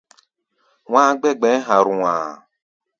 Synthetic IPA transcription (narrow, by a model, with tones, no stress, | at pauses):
w̃ã˦ɡ͡bɛ˦ɡ͡bɛ˨˦ɦa˨ɾũ˨a̰˨